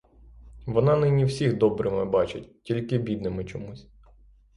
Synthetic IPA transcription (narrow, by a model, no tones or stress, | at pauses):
ʋɔnɑnɪnʲiwsʲixd̪ɔbɾɪmɪbɑt͡ʃɪtʲtʲilʲkɪbʲid̪nɪmɪt͡ʃɔmusʲ